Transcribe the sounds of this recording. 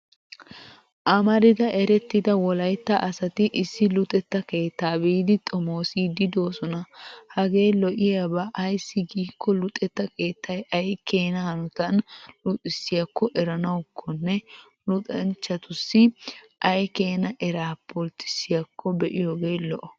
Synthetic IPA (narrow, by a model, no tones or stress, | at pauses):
ʔɐmɐɾɪd̪ɐʔɛɾɛt̪ːɪd̪ɐwɔlɐjt̪ːɐʔɐsɐt̪ɪʔɪsːɪlʊt̪ʼɛt̪ːɐke̞ːt̪ːaːbiːd̪ɪt̪ʼɔmoːsid̪ɪd̪o̞ːsɔnɐhɐɡe̞ːlɔʔɪjɐbɐʔɐjsːɪɡiːkːɔlʊt̪ʼɛt̪ːɐke̞ːt̪ʰːɐjɐjkʰe̞ːnɐhɐnʊt̪ɐnlʊt̪ʼɪsɪjɐkːɔʔɛɾɐnɐwʊkʰːɔnːɛ | lʊt̪ʼɐnt͡ʃːɐt̪ʊsːɪ | ʔɐjke̞ːnɐʔɛɾaːpːɔlt̪ɪ̥sɪjɐkʰːɔbɛʔɪjoːɡeːlɔʔɔ